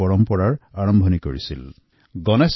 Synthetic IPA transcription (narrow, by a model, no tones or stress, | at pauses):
ɔɹɔmpɔɹaɹaɹɔmbʱɔnikoɹisḭl | ɡɔnes